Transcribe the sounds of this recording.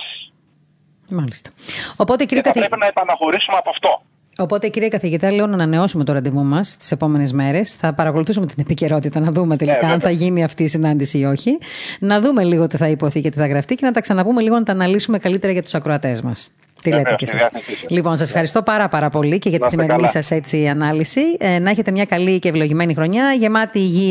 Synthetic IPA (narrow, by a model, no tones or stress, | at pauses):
mɐlist̪ɐ̥o̞po̞t̪eciɾiokɐθɾepinɐepɐnɐxoɾisumeɐpoɐft̪o | o̞po̞t̪e̞iciɾiɐkɐθiʝit̪ɐleonɐːnɐne̞o̞sume̞t̪uɾɐnd̪imumɐst̪i̥se̞po̞me̞nezme̞ɾe̞sθɐpɐɾɐko̞luθisume̞t̪inepiceɾo̞t̪it̪ɐnɐðume̞t̪elikɐɐnθɐʝiniɐft̪iːsinɐnd̪isiːo̞çinɐðume̞liɣo̞t̪iθɐipo̞θicet̪iθɐɣɾɐft̪icenɐt̪ɐksɐnɐpume̞liɣo̞nɐt̪ɐːnɐlisume̞kɐlit̪e̞ɾɐʝɐt̪u̥sɐkɾo̞ɐt̪e̞zmɐ̰s | t̪ilet̪ecessislipo̞nsɐsefxɐɾist̪o̞pɐɾɐpɐɾɐpo̞lice̞ʝɐt̪isime̞ɾinisɐset͡siɐnɐlisinɐeçe̞t̪e̞mɲɐkɐlicevlo̞ʝime̞nixɾo̞ɲɐʝe̞mɐt̪iːʝi